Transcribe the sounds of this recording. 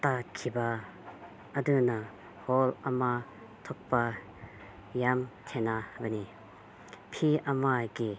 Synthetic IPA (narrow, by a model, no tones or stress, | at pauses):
t̪akʰiba | ɐd̪unɐ | hɔlɐma | t̪ʰɔk̚pɐ | jamt̪ʰɛnabəni | pʰiʔɐmaɡi